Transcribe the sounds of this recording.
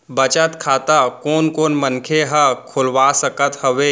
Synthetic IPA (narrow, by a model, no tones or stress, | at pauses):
bɐt͡ʃət̪kʰaːt̪akoːnkoːnmənkʰeɦəkʰʊlʋaːsəkət̪hɐʋeː